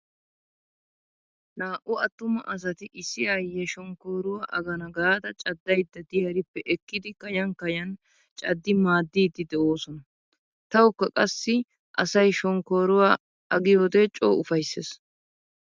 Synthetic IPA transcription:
naːʔʊɐt̪ːʊmɐʔɐs̬ɐt̪ɪʔɪsːɪjaːjɛʃɔŋkoːɾʊwaːʔɐɡɐnɐɡaːd̪ɐt͡ʃʼɐd̪ːɐjd̪ːɐd̪ɪjɐɾɪpːɛʔɛkːɪd̪ɪkɐjɐŋkɐjɐn | t͡ʃʼɐd̪ːɪmaːd̪ːiːd̪ːɪd̪ɛʔo̞ːsɔnɐ | t̪ɐwʊkːɐkʼɐsːɪ | ʔɐ̰sɐjʃɔŋko̞ːɾʊwaː | ɐɡɪjoːd̪et͡ʃʼo̰ːʊfɐjsːḛːs

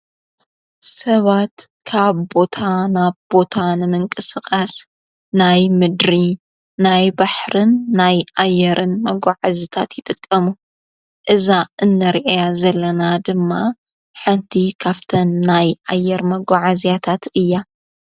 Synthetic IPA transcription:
sɐβat̪ | kʰaβbo̞t̪ʰanaβbo̞t̪ʰanɨmɨŋkʼɨsɨkʼas | najmɨd̪ɾi | najbaħɾɨnːajʔajːɛɾɨnmɐɡʷaʕazit̪ʰat̪jɪt̪ʼɨkʼːɐmu | ʔɨzaɨnːɐɾʔajazɐlːɐnad̪ɨmːa | ħɨnt̪ʰikʰaft̪ʰɐnːajʔajːɛɾmɐɡʷaʕazijat̪ʰat̪ɨjːa

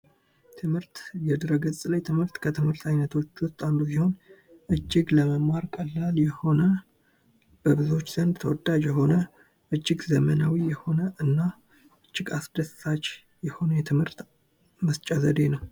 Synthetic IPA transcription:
t̪ʰɨmhɨɾt̪jɛd̪ɾəɡɨsʼlajt̪ʰɨmhɨɾt̪kʰət̪ʰɨmhɨɾt̪ʰajnət̪ʰo̞t͡ʃːwʊst̪ʼand̪usiho̞n | ʔɨd͡ʒːɪɡləməmːaɾkʰʼəlːaljɛho̞nə | b̥əβɨzo̞t͡ʃːz̥ənd̪t̪ʰəwɔd̪ad͡ʒjɛɦo̞nə | ʔɨd͡ʒːɪɡzəmənawijɛho̞nəʔɨnːa | ʔɨd͡ʒːɪɡasd̪əsːat͡ʃː | jɛho̞nəjɛt̪ʰɨmhɨɾt̪ | məst͡ʃʼazəd̪e̞nəw

